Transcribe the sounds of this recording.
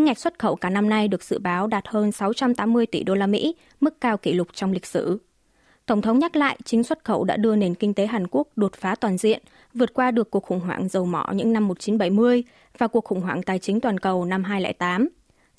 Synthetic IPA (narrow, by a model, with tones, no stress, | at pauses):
ɨ̰˧˥ŋːa˨˩jk̟̚swə˦˥t̚xə˧˩wkaː˧˩na˧mna˧jɗɨ˨˩ək̚z̥ɨ̰˧˨ɓaː˨˦wɗaː˨˩t̚həː˧nsa˨˦wt͡ɕa˧mt̪aː˨˦mːɨ˧əjt̪ḭ˧˩ɗo˧laː˧mḭ˧˥ | mɨ˦˥kːaː˧wki˧˩lʊ˨˩k͡p̚t͡ɕɔ˧wŋ͡mlï˨˩k̟̚sɨ˧˩ | t̪ə˧˩wŋ͡mt̪ʰə˨˦wŋ͡mɲa˦˥t̚la̰ː˧˨jt͡ɕï˨˦ŋ̟swə˦˥t̚xə˧˩wɗa̰ː˧˥ɗɨ˧əne˧˩nkï˧ŋ̟t̪e˨˦ɦaː˨˩nku˦˥ək̚ɗo˨˩t̚faː˨˦t̪waː˨˩nzḭ˧˨ən | vɨ˨˩ət̚kwaː˧ɗɨ˨˩əkːəkxʊ̰˧˩ŋ͡mɦwa̰ː˧˩ŋzə˨˩wmɔ˧˩ɲɨ̰˧˥ŋna˧mːo˨˩t̚t͡ɕi˨˦nɓəa˧˩jmɨ˧əj | vaː˨˩ku˨˩ək̚xʊ̰˧˩ŋ͡mɦwaː˧˩ŋt̪aː˨˩jt͡ɕï˨˦ŋ̟t̪waː˨˩nkə˨˩wna˧mɦaː˧jlɛ̰˧˥jt̪aː˨˦m